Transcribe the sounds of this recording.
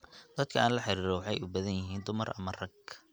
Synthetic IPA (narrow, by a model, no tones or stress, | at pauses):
d̪̥ɐd̪kʰɐaːnlɐħɪɾiːɾɔwɑħɑjʊbɐðɐnjɪɦiːnd̪ʊmɐrɐ̰mɐrɐɡ